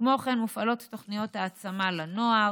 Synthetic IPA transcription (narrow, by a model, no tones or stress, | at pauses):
mo̞χenmufalo̞tːoχnijo̞t̪haːt͡samalano̞a